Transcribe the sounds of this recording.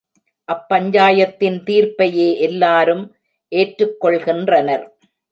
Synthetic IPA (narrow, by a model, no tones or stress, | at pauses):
ʔɐpːɐɲd͡ʒaːjɐt̪ːɪnt̪iːɾpɐjeːʔɛlːaːɾɯm | ʔeːʈɾɯkːɔɭɣɪndrɐnɐɾ